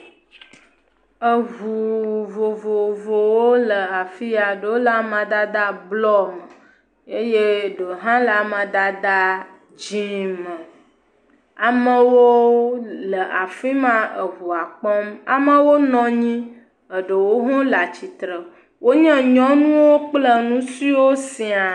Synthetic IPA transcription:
ə˨ɦu˨vo˨vo˨vo˨wo˦lə˨a˨fi˦a˨ɖə˨wo˦la˦mã˨d̪a˦d̪a˦blɔ˦mə˨ | e˦je˦ɖə˨ɦã˦lə˨a˨mã˨d̪a˦d̪a˦ | d͡ʒĩ˦mə̃˨ | a˨mə̃˨wo˦ | lə˨ʔa˨fi˦mã˦ə˨ɦu˨a˨k͡pɔ˦ma̰˨mə̃˦wo˦nɔ̃˦ɲĩ˦ | ə˨ɖə˨wo˦ɦɔ̃˦la˨t͡ɕi˨t̪ɾə˨ | wʔo˦ɲɛ̃˦ɲɔ̃˦nũ˦wo˦k͡plə˦nũ˦si˦wo˦sĩ˨a˨

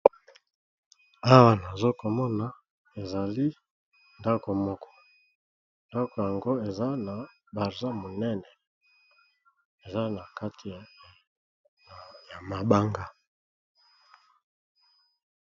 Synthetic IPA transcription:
a˦wa˦na˨zo˦ko˨mɔ˦na˨ | e˨za˨li˦ | nda˦ko˨mɔ˦kʰɔ̥˦ | nda˦ko˨ja˨ŋɡo˦e˨za˦na˨ | ba˨ʁza˦mo˨nɛ˦nɛ˨ | e˨za˦na˨ka˦tʰi˨ | ja˨ma˨ba˦ŋɡa˦

